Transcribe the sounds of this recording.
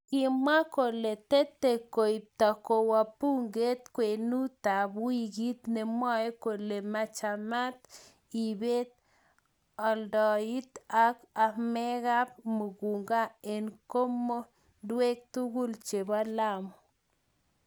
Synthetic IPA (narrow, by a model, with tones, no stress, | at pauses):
ki˨ma˦ko˨le˨t̪e˦t̪e˨ko˨i˨p̚t̪a˨ko˨wa˨pu˦ŋɡe˦t̪kʷwe˨nu˦t̪a˨bwi˦ɡi˦t̪ne˨mwa˦e˦ko˨le˨ma˧t͡ʃa˨ma˦t̪ | i˨be˦t̪ | a˨ldɔ˨i˦t̪a˦ka˧me˦ɣa˦p̚mu˨ɡu˨ŋɡa˦e˨nko˦mo˦ | dwe˦k̚t̪u˦ɡu˦lt͡ʃe˨ba˦la˦mo˨